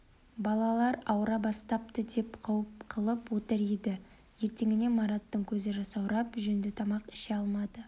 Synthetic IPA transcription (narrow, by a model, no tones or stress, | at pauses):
bɑlˠɑlˠɑɾɑwɾɑbɑst̪ɑp̚t̪əd̪e̞pqʰɑwəpqʰəlˠəpwot̪əɾid̪ɪ | je̞ɾt̪e̞ŋʲɪne̞mɑɾat̪ːəɴkʲʰɵzɪʒɑsɑwɾɑpʒɵnd̪ɪt̪ʰɑmɑqɪ̥ʃɪɑlˠmɑd̪̥ə